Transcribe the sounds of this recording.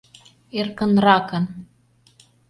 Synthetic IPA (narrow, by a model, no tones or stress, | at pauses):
erkə̆nrɑkɤ̆n